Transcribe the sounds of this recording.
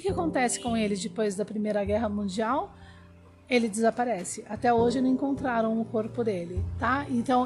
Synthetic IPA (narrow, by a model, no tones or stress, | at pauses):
kɪakõnt̪ɛsɪ̥kõw̃elɪd͡ʒɪpojzd̪ɐpɾimejɾɐɡɛɦɐmũd͡ʒiaw | elɪd͡ʒɪzapaɾɛsɪʔat̪ɛoʒɪnɐ̃ẽŋkõnt̪ɾaɾɐ̃w̃ʊkoɾpʊd̪elɪt̪aẽnt̪ɐ̃w̃